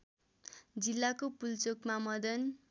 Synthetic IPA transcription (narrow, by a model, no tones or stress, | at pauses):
d͡zilːakopult͡sokmamʌd̪ʌn